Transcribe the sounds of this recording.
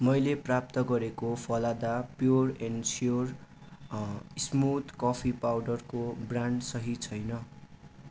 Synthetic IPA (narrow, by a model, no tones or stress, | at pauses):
mʌjleprap̚t̪ʌɡʌɾekopʰʌlad̪apjorensjor | smut̪kʌpʰipawɖʌrkobraɳɖsʌɦit͡sʰʌjnʌ